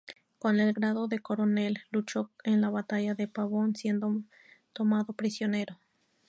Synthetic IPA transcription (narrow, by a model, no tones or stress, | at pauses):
kone̞lɡɾaðo̞ðe̞koɾone̞lːut͡ʃoenlaβat̪aʝaðepaβonsje̞nd̪o | t̪omaðopɾisjone̞ɾo